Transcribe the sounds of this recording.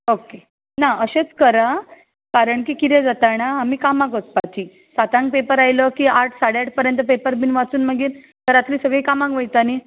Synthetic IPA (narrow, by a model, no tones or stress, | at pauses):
oke | naəɕet͡skəɾa | kaɾəɳkiːkit̪ed͡zat̪aɳ̃aamiːkamãkʋət͡spat͡ɕiː | sat̪ãŋk̚pepəɾajləkiːaʈʰsaɽjaʈ̚pəɾjənt̪əpepəɾbiːnʋat͡suːnməɡiːɾ | t̪əɾat̪liːsəɡɭiːkamãŋkʋəjt̪aniː